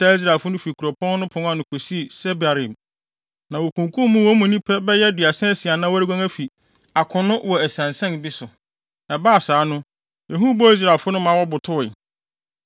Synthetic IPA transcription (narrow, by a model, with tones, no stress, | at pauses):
tʰa˦i˦s̬ɾa˨fʊ˦nʊ̃˦fi˨kʰu˨ɾɔ˨pʰɔ̃˦n˦nʊ̃˦pʰʊ̃˨˦a˦˨nʊ̃˨˦kʰo˨si˦˨sɛ˦ba˨ɾĩ˨m | nã˨wo˨kʰũ˨ŋkʰũ˦m˦mũ˦wɔ˦mũ˨nĩ˦pʰɛ˦bɛ˦jɛ˦dɥa˨sɛ̃˦sɪ˨a˨nã˦wɾi˦ɡʷã˦ŋæ˦fi˨ | a˨kʰʊ̃˨nʊ̃˦wɔ˨æ˨sã˨nsɛ̃˦nbi˦sʊ˨ | ɛ˨baː˦a˨saː˨˦nʊ̃˦ | jɛ̃˨ɦũ˦bɔ˦i˦s̬ɾa˨lfʊ˦nʊ̃˦mã˨˦wɔ˦bʊ˨tʰʊ˦˨ɪ˨